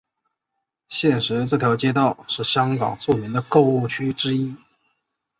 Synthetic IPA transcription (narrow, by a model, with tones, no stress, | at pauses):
ɕjɛ˥˩nʂɻ̩˧˥ʈ͡ʂɤ˥˩t̪ʰjɑ˧˥ʊt͡ɕjɛ˥t̪ɑ˥˧ʊʂɻ̩˥˩ɕjɑ˥ŋkɑ̰˨˩ŋt͡su˥˩mi˧˥ŋd̪ə˧ko˥˧ʊu˥˧˩t͡ɕʰy˥ʈ͡ʂɻ̩˥i˥